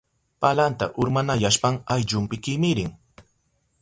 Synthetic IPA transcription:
palant̪aʔʊɾmanajaʃpaŋajʎʊmpɪkɪmɪɾɪŋ

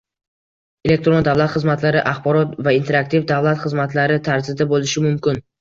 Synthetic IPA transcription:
e̞le̞k̚t̪ɾond̪avlat̪χɨzmat̪laɾɪʔaχbɒɾɒt̪vaint̪ʰe̞ɾak̚t̪ʰivd̪avlat̪χɨzmat̪laɾɪt̪ʰaɾzɪd̪abolɪʃɪmʊmkʲɪn

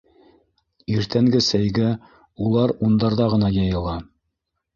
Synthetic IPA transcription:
iɾt̪æŋɡɘsæjɡæ | ulˠɑɾund̪ɑɾðɑʁɤ̆nɑjɑjɤ̆lˠɑ

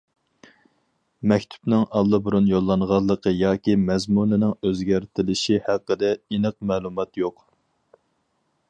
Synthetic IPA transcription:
mɛkʲt̪ʰy̥pnɪŋɑlˠːɨbuɾunjolˠːɑnʁɑlˠːəqʰəjɑːkʲimɛzmunɪnɪŋøzɡʲæɾt̪ʰɪlɪʃihæqːəd̪ɛinəqmɛːlˠumɑt̪joq

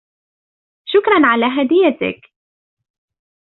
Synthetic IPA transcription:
ʃʊkɾˤɑnʕalaːɦad̪ɪjːat̪ɪ̰k

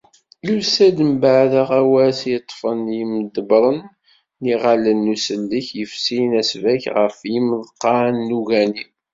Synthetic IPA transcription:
lusæd̪əmbəʕðəʁæwæsjət̪ˤːfənjiməd̪əbɾˤənː | iʁalənːusəlːəçjəfsinæsvæçʁə̰fjiməðqɑnːuɣæni

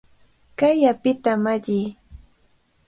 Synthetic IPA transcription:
kajapɪt̪amaʎɪː

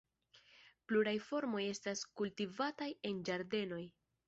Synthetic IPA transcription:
pluɾajfo̞ɾmo̞je̞staskultivataje̞nd͡ʒaɾde̞no̞j

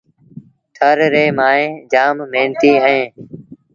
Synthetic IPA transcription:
t̪ʰəɾɾeːmaːẽːd͡ʒaːmːeːnt̪iːɛ̃ː

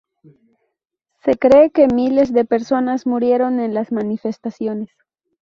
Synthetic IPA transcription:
se̞kɾe̞ːke̞mile̞zðe̞pe̞ɾso̞nazmuɾje̞ɾo̞ne̞nlasmanife̞st̪asjo̞ne̞s

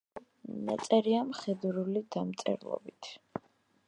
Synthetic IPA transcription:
na̰t̪sʼɛɾiamχɛd̪ɾulid̪amt̪sʼɛ̰ɾlˠɔ̰bit̪ʰ

